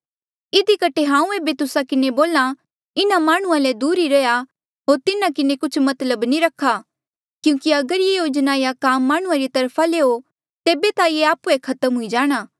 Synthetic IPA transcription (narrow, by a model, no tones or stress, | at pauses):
ɪd̪ikɐʈʰːeɦãːũeːbet̪ʊsakɪneboːla | ɪnamaːɽ̃ʊ̃ãlɛd̪uːɾiɾɐja | ɦoːɾt̪ɪnakɪnekʊt͡ʃʰmɐt̪ləbniɾɐkʰːa | kjũːkiɐɡəɾjejoːd͡ʒnaːijakaːmːaːɽ̃ʊ̃ãɾit̪ɐɾpʰaleːo | t̪eːbet̪ajeaːpuekʰɐt̪əmɦʊid͡ʒaːɽ̃aː